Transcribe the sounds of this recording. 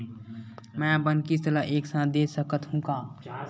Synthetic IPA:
mɛ̃bənkist̪əlaʔeːksãːt̪d̪eːsəkət̪ɦũkaː

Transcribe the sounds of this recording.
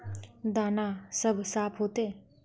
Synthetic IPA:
d̪aːnasəbʱsaːpʰɦoːt̪eː

